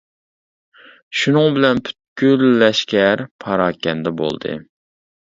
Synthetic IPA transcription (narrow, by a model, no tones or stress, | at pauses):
ʃunɨŋbɪlɛnpʰy̥t̪̚kʲylːɛʃkʲæɾpʰɑɾɑːkʲʰɛnd̪ɛbo̰lˠd̪ɨ̰